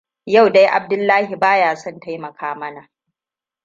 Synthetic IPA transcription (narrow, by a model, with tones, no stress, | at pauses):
ja˦˨wda˦jʔa̰˨b̚dʊ˦lːaː˦hi˨baː˦jaː˦sɔ˦˨nta˦jmɐ˨kʰaː˦mɐ˦na˨ʔ